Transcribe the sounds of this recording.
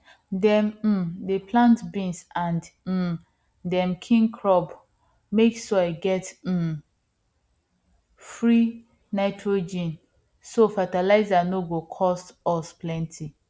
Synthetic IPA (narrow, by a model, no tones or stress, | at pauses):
dɛ̃m̩deplãntbĩnsãnd̩ | dɛ̃mkʰĩŋkʰɹɔb | meksɔeɡɛt̩ | fɹi | naɪtʰɹod͡ʒĩn | sofatalaɪzanoɡokʰɔstɔsplɛ̃ntʰi